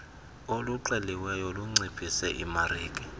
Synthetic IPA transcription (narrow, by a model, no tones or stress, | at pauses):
oluǃɛliwɛjɔluŋ͡ǀipʰʼisɛʔimariːkʼi